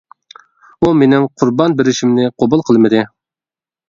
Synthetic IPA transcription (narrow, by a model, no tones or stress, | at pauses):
umenɪmqʰʊɾbɑnbɪɾɪʃimnɪqʰobulˠqʰəlˠmɨd̪ɨ